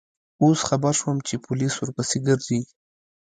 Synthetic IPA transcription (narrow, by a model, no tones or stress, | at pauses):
osxabaɾʃwəmt͡ʃepʊliswʊɾpasiɡəɾzi